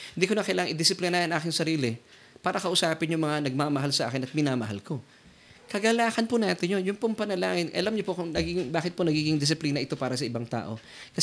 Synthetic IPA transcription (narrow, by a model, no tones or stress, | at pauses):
hɪnd̪iːkonɐkɐjlaːɐŋʔɪd̪ɪsɪplɪnaːnʔaːkɪŋsɐɾiːlɪ | paːɾɐkɐʔʊsaːpɪnjʊŋmɐŋanɐɡ̚mamɐɦalsɐʔa̰ːkɪnɐt̪̚mɪnaːmɐɦa̰lko̞ | kɐɡɐlaːkɐnpʊnaːt̪ɪnjonjʊŋpʊŋpɐnɐlaːŋɪnʔɐ̰lamɲopokʊŋnɐɡiːɡɪŋbaːkɪt̪̚ponɐɡiːɡɪŋd̪ɪs̬ɪpliːnɐʔɪt̪o̞paːɾɐsɐʔɪbaŋt̪a̰ːʔo̞̰ | kɐs